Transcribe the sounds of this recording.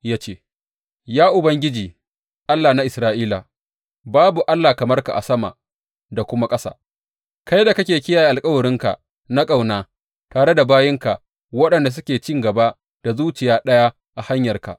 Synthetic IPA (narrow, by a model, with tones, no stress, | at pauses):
jaː˦t͡ʃeː˦ | jaː˦ʔʊ˨bɐ˦ŋɡʲɪ˦d͡ʒiː˨ | ʔa˦lːaː˨na˦ʔɪ˨sɾaː˦ʔiː˦la̰˨ | baː˦bu˨ʔa˦lːaː˨kɐ˨mɐ˦rka̰˨ʔa̰˨sɐ˦ma̰˨ | da˨kʷʊ˦ma˦kʼɐ˦sa̰ː˦ | ka˦jda˨kɐ˦kʲeː˨kʲɪ˦jaː˨ji˦ʔa˨lkʼɐ˦wɐ˨ɽɪ˦ŋka̰˨ʔ | na˦kʼa˨wnaː˦ | taː˨ɽe˦da˨baː˦jɪ˦ŋka˨ʔ | wɐ˦ɗɐ˨nda˨s̬ʊ˦kʲeː˨t͡ʃɪ˦ŋɡɐ˨ba˦ | d̥a˨zuː˦t͡ʃɪ˨jaː˦ɗɐ˦ja˦ | ʔa˨ha˦ɲjɐ˨rka̰˨ʔ